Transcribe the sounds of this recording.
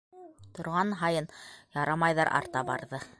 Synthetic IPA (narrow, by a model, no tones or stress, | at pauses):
t̪ŏɾʁɑnɦɑjɤnjɑɾɑmɑjðɑɾʔɑ̰ɾt̪ɑbɑ̰ɾðɤ